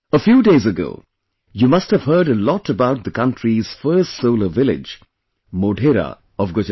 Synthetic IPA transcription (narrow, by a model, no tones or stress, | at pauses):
əfjuːdeːzəɡo̰ː | juːmʌsthəv̥ɦɜːɖəlɔʈəbaʊt̚d̪əkʌ̃nʈʰɹiz̥fɜːstsoʊləvɪlɪ̰d͡ʒ | moːɖʱeɾa̰ | ɔvɡot͡ʃ